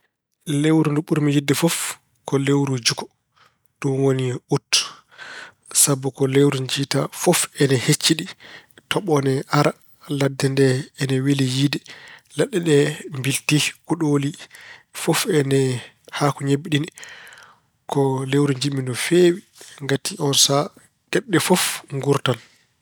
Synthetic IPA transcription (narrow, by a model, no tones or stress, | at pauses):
lewɾunduɓuɾmijidːɛfɔf | kɔlewɾud͡ʒukɔ̥ | d̥unwoniʔutː | sabɔkɔlewɾuɲd͡ʒita̰fɔfɛnɛhet͡ʃːiɗi | tɔɓɔnɛʔaɾa | ladːɛndɛɛnɛwilijidɛlaɗːɛɗɛmbiltikuɗolifofɛnɛ | hakuɲebiɗinɛ | kɔlewɾiɲd͡ʒimindɔfeːwi | ŋɡatʰiʔɔnsa | ɡ̥ɛɗːɛfofŋɡuɾtan